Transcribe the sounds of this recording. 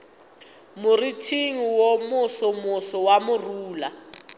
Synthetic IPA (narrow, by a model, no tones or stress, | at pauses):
muritʰiŋiwomʊsɔmʊsɔwamuruːla